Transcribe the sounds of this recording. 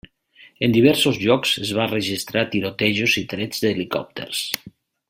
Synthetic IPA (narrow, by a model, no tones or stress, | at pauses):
end̪iβ̞ɛɾsozʎɔksezβ̞arəʒist̪ɾat̪iɾot̪eʒozit̪ɾɛd͡zd̪elikɔ̰p̚t̪ʰḛɾs